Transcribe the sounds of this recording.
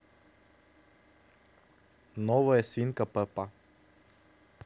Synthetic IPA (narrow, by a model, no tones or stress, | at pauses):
nɔvɔjɛsvinkapəpa